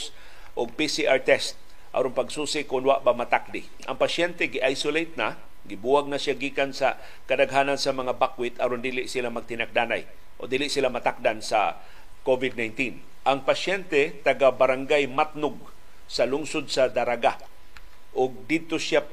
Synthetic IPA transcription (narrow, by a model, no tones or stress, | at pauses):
s | ʔoɡ̚pisiʔaɹt̪ɛst̪̚ | ʔa̰ɾonpɐɡsuːsɪkʊnwa̰ʔbamɐt̪ak̚d̪ɪ | ʔɐŋpaʃɛnt̪ɛɡɪʔajsʊlejt̪̚na | ɡɪbuwaɡ̚naʃjaɡiːkansɐ | kɐd̪aɡɦaːnansɐmɐŋabakwɪt̪ɐɾond̪iːlɪʔsɪlamɐɡ̚t̪ɪnak̚d̪ana̰j | ʔo̰d̪iːlɪʔsɪlamɐt̪ak̚d̪ansɐ̰ | kovɪd̪̚najnt̪in | ʔaŋpaʃjɛnt̪ɛt̪ɐɡabaɾaŋɡajmat̪nʊɡ̚ | sɐlʊŋsod̪̚sɐd̪aɾaɡa | ʔʊɡ̚d̪ɪd̪̚t̪osʃja